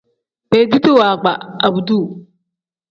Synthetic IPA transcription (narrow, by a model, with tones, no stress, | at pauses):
pe˨di˦ti˦waː˨ɡ͡ba˨a˨bu˨du˦˨